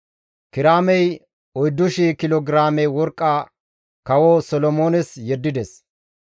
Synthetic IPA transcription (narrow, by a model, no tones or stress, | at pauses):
kɪɾaːmɛj | ɔjd̪ːʊʃikɪloːɡɾaːmɛjwɔɾkʼːaː | kɐwosɔlɔmoːnɛsjɛd̪ːɪd̪ɛs